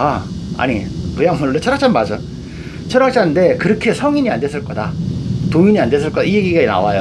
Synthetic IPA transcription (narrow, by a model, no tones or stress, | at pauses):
aa̰ɲikɯjaŋmuɭɭːet͡ɕʰʌɾakt͡ɕ͈ʰanmad͡ʑɯ | t͡ɕʰʌɾak̚t͡ɕ͈ʰande̞kɯɾʌkʰe̞sʰʌŋiɲiandes͈ʰɯɭk͈ʌdatoiɲiandes̬͈ɯɭk͈ʌdaijeɡiɡena̰wajo